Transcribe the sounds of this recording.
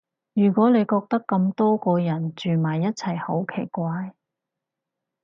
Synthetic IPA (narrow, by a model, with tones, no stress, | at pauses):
jyː˨˩kʷɔː˨˥ne˨˧jkɔː˧k̚t̪ɐ˥kːɐ˧mt̪ɔː˥kɔː˧jɐ˨˩nt͡ʃyː˨maː˨˩jːɐ˥t̚t͡sʰɐ˨˩jho˨˥wkʰe˨˩jkʷaː˧j